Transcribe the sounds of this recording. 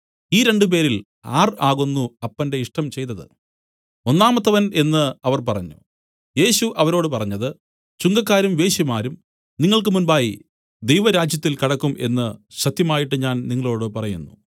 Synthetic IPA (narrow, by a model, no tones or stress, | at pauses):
iːɾe̞ɳɖɨp̬e̞ːɾil | a̰ːraːɣonːuɐpːɐnde̞iʂʈɐmt͡ɕe̞jt̪ːɐðɨ̰ | o̞nːaːmɐt̪ːɐʋɐne̞nːɨɐʋɐrpɐrɐɲːṵ | je̞ːɕuʔɐʋɐɾo̞ːɽɨpɐrɐɲːɐðɨ | t͡ɕuŋɡɐkːaːɾumʋe̞ːɕjimaːɾum | niŋːɐɭk̬ɨmunbaːji | d̪ejʋɐɾaːd͡ʑjɐt̪ːilkɐɽɐkːumʔe̞̰nːɨɕɐt̪jɐmaːjiʈːɨɲaːnniŋːɐɭo̞ːɽɨpɐrɐjunːṵ